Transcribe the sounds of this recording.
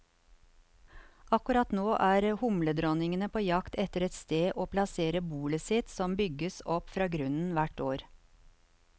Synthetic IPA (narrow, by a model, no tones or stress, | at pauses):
ɑkʉɾɑt̪noːʔæːɾhʊmləd̪ɾɔnɪŋənəpʰoːjɑkt̪ɛt̪əɾɛt̪st̪eːʔoːpʰlɑseːɾəbuːləsɪt̪sɔmbʏɡəsɔpfɾɑːɡɾʉnn̩ʋæʈoːɾ